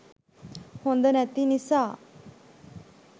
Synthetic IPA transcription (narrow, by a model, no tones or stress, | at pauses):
hõːnd̪ənɛ̃ːt̪inɪsaː